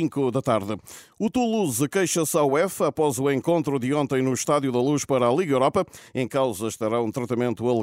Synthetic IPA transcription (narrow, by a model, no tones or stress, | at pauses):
ĩŋkuðɐt̪aɾðɨ | ut̪ulˠuzɨkɐjʃɐsawɛfɐpɔzuẽŋkõnt̪ɾuðɨõnt̪ɐ̃j̃nuʃt̪aðjuðɐlˠuʃpɐɾalˠiɣɐewɾɔpɐẽj̃kawzɐʃt̪ɐɾaũt̪ɾɐt̪ɐmẽnt̪uɐlˠ